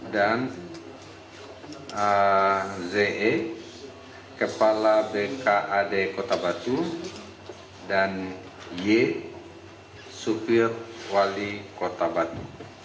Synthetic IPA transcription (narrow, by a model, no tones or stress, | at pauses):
dan | ə | zeʔɛ | kəpalabekaʔadekot̪abat̪u | dan | je | supirwalikot̪abat̪u